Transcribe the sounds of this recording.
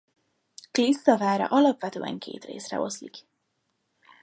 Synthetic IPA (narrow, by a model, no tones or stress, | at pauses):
klisːɒvaːɾɒ̰ʔɒlɒpʋɛt̪øːɛŋkʰeːt̪rḛːsrɛ̰o̞slik